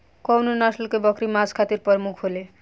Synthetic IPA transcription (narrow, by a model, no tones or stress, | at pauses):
kʌwnonasʌlkojbʌkɾimad͡zkʰat̪irpʌrmukʰɦole